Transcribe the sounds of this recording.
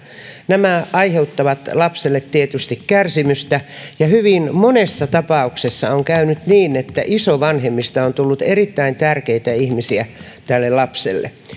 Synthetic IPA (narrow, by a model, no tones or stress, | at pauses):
næmæɑiheut̪ːɑʋɑt̪lɑpselːet̪tiet̪yst̪ikkærsimyst̪æjɑhyʋinmonesːɑt̪ɑpɑuksesːɑoŋkæynyt̪niːnet̪ːæʔisoʋɑnhemːist̪ɑont̪ulːut̪erit̪ːæint̪ærkeit̪æihmisiæ | t̪ælːelɑpsḛlːḛ